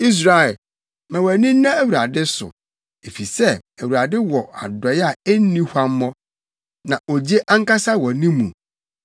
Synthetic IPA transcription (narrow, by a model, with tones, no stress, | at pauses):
i˦s̬ɾa˨ɛ˨ | mɛ̃˨wæ˨nĩ˦n̩˦nã˦æ˦wu˨ɾa˨dɪ˦sʊ̰˨ | e˨fi˨sɛ˦æ˨wu˨a˨dɪ˦wɔ˨a̰˨dɔ˨ja˦˨ɛ˦n̩˦nĩ˦hʷa˦m˦mɔ̃˦ | nã˨ʔɔ˨d͡ʑe˦ʔa˦ŋ˦ka˦sa˦wɔ˨nĩ˦mũ˨